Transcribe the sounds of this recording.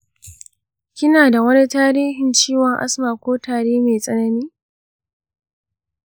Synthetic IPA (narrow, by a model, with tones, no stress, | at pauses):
kʲɪ˦naː˨da˨wɐ˦ni˦taː˦ɾiː˦ɦɪ˨nt͡ʃiː˦wɔ˨ŋʔa̰˦smaː˨kʷoː˦taː˨ɽeː˦meː˨sʼɐ˦nɐ˦niː˦